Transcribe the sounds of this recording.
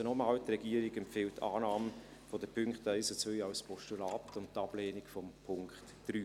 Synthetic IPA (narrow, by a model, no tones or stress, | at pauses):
ənɔmaːltrɛɡiəɾɪɡɛmpfɪltːa̰ːnaːm | fɔdəpʰʏŋkχtɛɪsət͡sœjɑwspʰɔʃtulaːtʊnttɑb̥leːnɪkfɔmpʰʊŋkχt | d̥ryː